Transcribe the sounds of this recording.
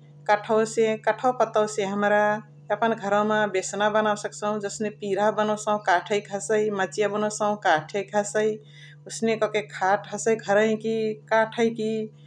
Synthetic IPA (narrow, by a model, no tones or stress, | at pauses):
kəʈʰəwsẽkəʈʰəwpət̪əsẽɦəmɾa | əpənɡʱəɾɔ̃mebesnabənawsəksəɦũd͡ʒəsnepiɾabənosə̃ũkaʈʰəjkʰəsəjmət͡ʃijabənosəɦũkaʈʰəkʰəsəj | osnekɔkekʰaʈʰəsəjɡʱəɾəĩkikaʈʰəjki